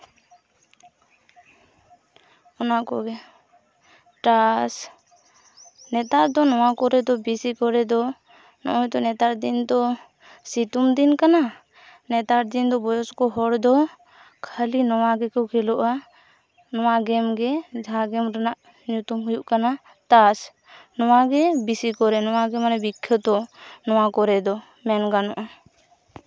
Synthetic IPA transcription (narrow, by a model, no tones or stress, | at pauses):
ɔnakɔ̰ɡɛ | ʈas | nɛt̪aɾd̪ɔnɔwakɔɾɛd̪ɔbisikɔɾɛd̪ɔ | nɔ̰ʔɔjd̪ɔnɛt̪aɾd̪ind̪ɔ | sit̪umd̪inkana | nɛt̪aɾd̪ind̪ɔbɔjɔskɔɦɔɽd̪ɔ | kʰalinɔwaɡɛkɔkʰɛlɔʔa | nɔwaɡɛmɡɛd͡ʒʱaɡɛmɾanaʔ | nut̪umɦujuʔkana | t̪as | nɔwaɡɛbisikɔɾɛnɔwaɡɛmanɛbikʰːjɔt̪ɔnɔwakɔɾɛd̪ɔ | mɛnɡanɔ̰ʔa